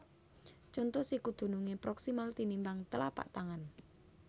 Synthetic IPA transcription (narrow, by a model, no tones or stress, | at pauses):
t͡ʃɔnt̪ɔsikud̪̥ṳnuŋepɾɔksimalt̪inimbaŋt̪əla̰pa̰ʔt̪aŋan